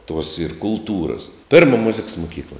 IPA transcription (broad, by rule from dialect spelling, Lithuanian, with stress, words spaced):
tuɔs ɪr kʊlˠˈtuːrɐs ˈpʲeːrmɐ mʊzʲɪks mʊˈkʲiːklˠɐ